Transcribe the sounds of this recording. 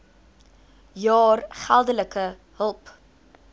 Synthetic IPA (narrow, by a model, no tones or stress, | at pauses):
jɑːrχælˠdələkə | ɦəlˠp